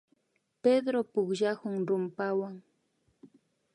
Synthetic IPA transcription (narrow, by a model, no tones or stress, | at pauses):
ped̪ɾopʊkʒahʊŋɾʊmpawaŋ